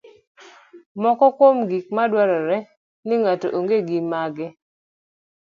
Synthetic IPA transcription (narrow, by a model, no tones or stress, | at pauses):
mɔkɔkwomɡik̚madwaɾɔɾɛ | nɪŋatoʔoŋɡeɡɪmaɡɪ